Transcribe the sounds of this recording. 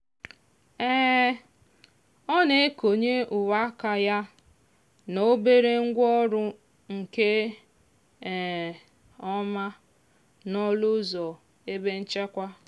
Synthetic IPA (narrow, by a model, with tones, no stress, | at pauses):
ɛː˦ | ɔ˦ne˨e˦ko˨ɲe˦ʔʊ˨wa˦ka˨ja˦ | no˦be˦ɾe˦ŋ̩˦ɡʷɔ˦ɾʊ˦ | ŋ̩˨ke˦˨ | ɔ˦ma˦ | nɔ˦lʊ˦zɔ˨ | e˦be˦n̩˦t͡ʃe˦kʷa˦